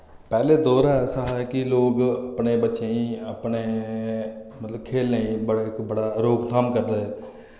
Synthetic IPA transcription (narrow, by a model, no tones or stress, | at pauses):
pɛːleːd̪oːɾaɛːsaːɦɛːkɪloːɡəpneːbətːʃeĩːəpneː | mət̪ləbkʰeːlːẽːĩːbəɽɪkbəɽaːɾoːkt̪ʰaːmkəɾd̪eːɛː